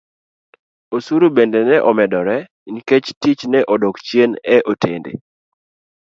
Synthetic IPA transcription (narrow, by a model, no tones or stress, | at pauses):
osuɾubendɛnɛʔɔmɛdɔɾɛ | inket͡ʃtit͡ʃnɛʔɔdokt͡ʃjenɛʔotʰendḛ